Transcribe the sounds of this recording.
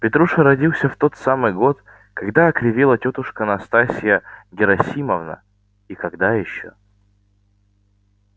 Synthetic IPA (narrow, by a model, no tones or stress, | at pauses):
pʲɪt̪ɾuʂəɾɐdʲilˠsʲəft̪o̞t̪samɨjɡo̞t̪ | kɐɡd̪aɐkɾʲɪvʲilˠətʲot̪ʊʂkənɐst̪asʲɪjəɡʲɪɾɐsʲiməvnə̰ | ikɐɡd̪ajɪɕːo̰